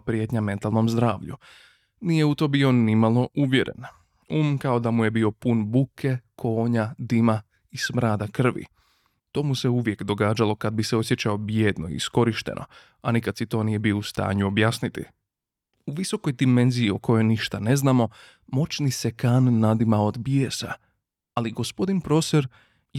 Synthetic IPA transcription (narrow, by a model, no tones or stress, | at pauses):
pɾje̞t̪ɲame̞nt̪alˠno̞mzd̪ɾaːʋʎṵ | nije̞ut̪o̞ːbio̞nimalˠo̞ʔuʋje̞ɾʔe̞̰n | uːmkao̞d̪amuje̞bio̞punbukʰe̞kʰo̞ːɲad̪ima | ismɾaːd̪akr̩ʋḭ | t̪o̞ːmuse̞uʋje̞kd̪o̞ɡaːd͡ʒalˠo̞kad̪̚bise̞o̞sje̞t͡ɕao̞bjeːd̪no̞ḭisko̞ɾiʃt̪ḛnʔo̞̰ | anikad̪sit̪o̞ːnije̞biːoust̪a̰ːɲuobjaːsnit̪ḭ | uʋiso̞ko̞jd̪ime̞nziːo̞ko̞jo̞jniʃt̪ane̞znaːmo̞ | mo̞t͡ʃnise̞kaːnːad̪imao̞d̪bjesa̰ | aliɡo̞spo̞d̪inpɾo̞seɾ